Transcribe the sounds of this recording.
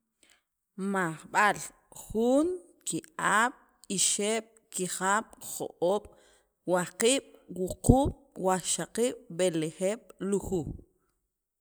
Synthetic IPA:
maχɓal | χuːŋ | kiʔaːɓ̥ | iʃeːɓ̥kiχaːɓ̥χo̰ʔoːɓ̥ | wahqiːɓ̥wuquːɓ̥waʃaqiːɓ̥ɓeleχeːɓ̥luxu

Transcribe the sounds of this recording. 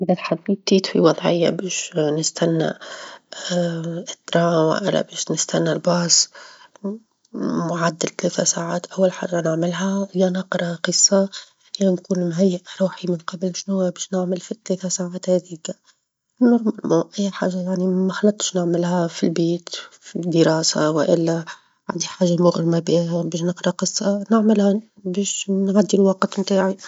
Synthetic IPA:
ʔɪðatħad̪ːiːt̪ːiːt̪fḭwɑðˤʕɪ̰jːa̰beːʃnɪst̪anːa̰ | ɪt̪ːɾˤɑːma̰ʔɪ̰la̰beːʃnɪst̪anːalbɑːs | mʊʕad̪ːɪlt̪aleːt̪asaːʕaːt̪ʔawːalħa̰ːʒːanɪʕmɪlɦajanɑqɾˤɑqɨsˤːɑ | jankuːnmɦajːɪʔɾˤuːħimɪnqɑblʃnhʊwːabiːʃnɪʕmɪlfit̪leːθasaːʕaːt̪hæd̪iːk | nɪɾmmuʔɪjːħaːʒːajaʕnimaxɑlɑt̪ˤʃnɪʕmɪlhafilbeːt̪fid̪əɾɑːsa̰wɪʔɪ̰lːæ | ʕa̰nd̪iħaːʒːamʊɣɾmabiabiːʃnɪqɾˤɑqɨsˤːɑnɪʕmɪlha | beːʃnʕad̪ːilwɑqt̪mt̪aːʕi

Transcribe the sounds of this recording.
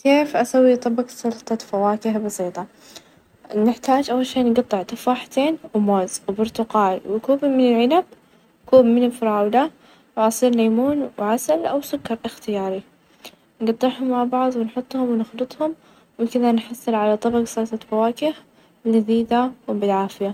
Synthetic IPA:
keːfʔasawːit̪ˤɑbɑqsɑlt̪ˤɑfawaːkɪhbɑsˤiːt̪ˤɑ | nɪħt̪aːd͡ʒʔawːalʃeːnɡɑt̪ˤːɨʕt̪ɪfaːħt̪eːnwmoːzwbʊɾt̪ʊqɑːlwɪkuːbmɪnɪlʕɪnab̚ | kuːbmɪnɪlfɑɾˤɑːwla | wʕɑsˤiːɾlaːmuːnwʕasalʔawsʊkːɑɾˤʔɪxt̪ɪjɑːɾi | nɡɑt̪ˤːɨʕhʊmːaʕbɑʕðˤwɪnħʊt̪ˤːhʊmwɪnɪxlɨt̪ˤhʊm | wɪkɪðanħɑsˤːɨlʕalat̪ˤɑbɑqsɑlt̪ˤɑfawaːkɪh | lɪziːd̪awbɪlʕaːfɪja

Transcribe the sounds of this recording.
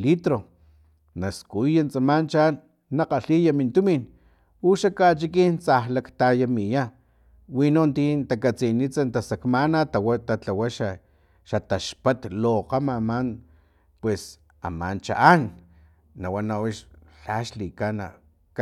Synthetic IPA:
lit̪ɾo | naskujant͡samant͡ʃaanː | aqaɬijamint̪umin | uʃakat͡ʃikint͡sahlakt̪ajamija | winont̪int̪akat͡sinit͡sant̪asakmanat̪awat̪at͡ɬawaʃa | ʃat̪aʃpat̪loqamaman | pwes | a̰ma̰nt͡ʃa̰ʔanː | awanawiʃɬaʃlikana̰ | k

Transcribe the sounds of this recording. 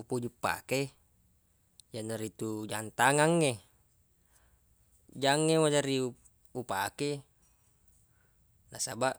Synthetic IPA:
upud͡ʒupːa̰ke | d͡ʒanːaɾit̪ud͡ʒant̪aŋaŋːe | d͡ʒaŋːewad͡ʒaɾiu | upake | nasabaʔ

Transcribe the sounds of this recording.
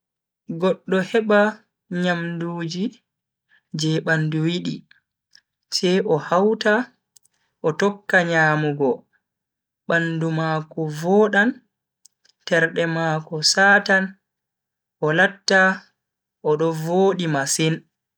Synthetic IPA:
ɡɔɗːɔhɛɓa | ɲamduːd͡ʒi | d͡ʒɛɓanduwiɗi | t͡ʃɛʔɔhawta | ʔɔtɔkːaɲaːmuɡɔ | ɓandumaːkɔvɔːɗan | tɛɾɗɛmaːkɔsaːtan | ʔɔlatːa | ʔɔɗɔvoːɗimasin

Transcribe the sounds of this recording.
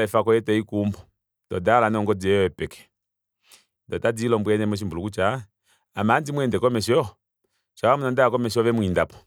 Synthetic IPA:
aɛfakɔjɛtɛikumbɔ | dɔdalanɛɔŋɡɔd͡zɛɔɛpɛkɛ̥ | ndɔtad͡zilɔmbuɛnɛmɔʃ̬imbulukut͡ʃa | amand͡ʒimwɛndɛkɔmɛʃɔ | ʃaamunandaakɔmɛʃ̬ɔʋɛmwindapɔ̥

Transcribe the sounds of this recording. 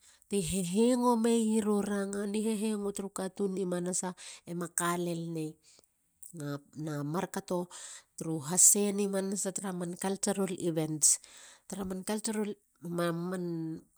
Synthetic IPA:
tiɦeɦeŋo̞me̞iɾoɾaŋaniɦeɦe̞ŋotɾukatunimanasaemakale̞lne | ŋanamaɾkato̞tɾuɦase̞nimanasataɾamankalt͡ʃaɾoliβe̞nstaɾamankalt͡ʃaɾol | maman

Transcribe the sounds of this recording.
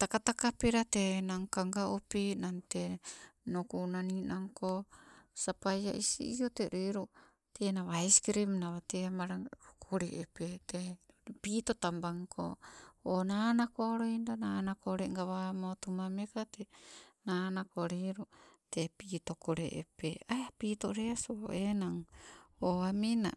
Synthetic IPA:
t̪akat̪akapeɾatenaŋkaŋɡaopinantenokunaninaŋkosapajaʔisḭioteɾiɾu | tenaβajskɾimnaβateamaɾaokʰoɾeʔepete | pit̪otambaŋkʰo̰onanakoaɾojndananakoɾeŋɡaβamotumamekatenanakoɾiɾutepit̪okoɾḛʔḛpeajapiːtoɾeasoenaŋoamina̰

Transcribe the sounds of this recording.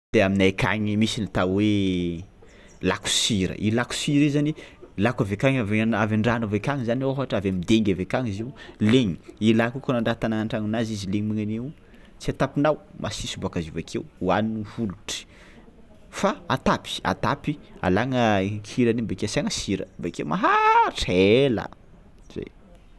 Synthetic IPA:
d̪̥eaminakʰa̰ŋimisinit̪awe | laku̥siɾə̰ʔilaku̥siɾizanilakavekaŋaveavaɳɖ͡ʐanavekaŋizaniofaʈ͡ʂavamid̪eŋɡʲavekaŋiziwleŋiilakukanaɳɖ͡ʐat̪anaaɳʈ͡ʂaŋinazizileɲimiŋane | t͡siat̪apinawmʔasisubakazivakʰewuaninivuluʈ͡ʂi̥ | faat̪api̥a̰t̪apia̰laŋəŋkʰiɾanimbakeasaŋəsiɾə̰mbakewmaɦaʈ͡ʂela̰ | z̥ḛj

